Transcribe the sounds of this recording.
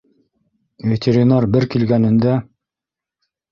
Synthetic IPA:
vʲet̪ʲeɾʲinarbɘɾkilɡænɘ̆nd̪æ

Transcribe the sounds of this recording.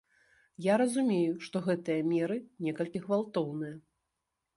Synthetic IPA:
jaɾɐzumʲejuʂt̪ɔɣɛt̪ɨjɐmʲɛɾɨnʲɛkɐlʲkʲiɣvalˠt̪ɔwnɨjɐ

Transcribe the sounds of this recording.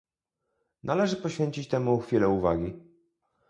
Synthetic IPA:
nalɛʐɘpɔɕfʲeɲt͡ɕit͡ɕt̪ɛmuxfʲilɛuva̰ɡʲi

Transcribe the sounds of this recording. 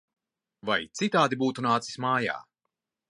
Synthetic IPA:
vajt̪sit̪aːd̪ibuːt̪unaːt̪si̥smaːja̰ː

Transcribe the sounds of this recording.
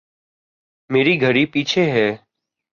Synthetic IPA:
meːɾiːɡʱəɾiːpiːt͡ʃʰeːɦɛː

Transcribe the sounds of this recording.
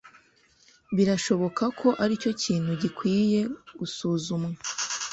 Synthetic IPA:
βiɾaʃo̞βo̞kʰakʰo̞ʔaɾico̞ciːn̥huɟikwiːje̞ɡ̥usuːzumŋe

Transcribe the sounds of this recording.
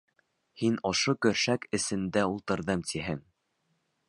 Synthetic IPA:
hinŏʃokɵ̆ɾʃækɘ̆sɘ̆nd̪æulˠt̪ɤ̆ɾðɤmt̪ʰiɦɘŋ

